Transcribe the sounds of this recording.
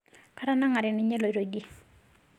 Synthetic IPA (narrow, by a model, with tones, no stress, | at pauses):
kʰa˥ɾa˥˨na˥˨ŋa˩˨ɾe˩˨ni˨ɲe˥˨lo˩˨ɾo˩˨ɡi˨